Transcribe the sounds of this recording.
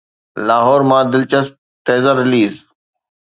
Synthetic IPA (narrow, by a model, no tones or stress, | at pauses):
laːɦɔːɾmãːd̪ɪlt͡ɕəsp̚ʈeːzəɾːɪliːz